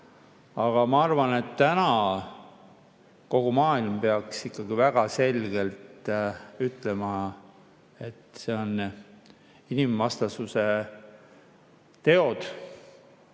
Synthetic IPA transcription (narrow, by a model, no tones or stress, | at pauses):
ɑɡ̥ɑmɑɑrvɑne̞t̪ːænɑ | ko̞ɡ̥umɑːilmpe̞ɑksikˑːɑɡ̥ivæɡ̥ɑse̞lɡ̥e̞lt̪yt̪ːˑle̞mɑ | e̞t̪se̞o̞n | inimvɑst̪ɑsuse̞ | t̪e̞o̞d̪̥